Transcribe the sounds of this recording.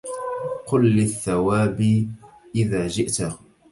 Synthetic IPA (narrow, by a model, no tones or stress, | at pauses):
qʊlːɪθːawaːbiʔɪðaːd͡ʒɪʔt̪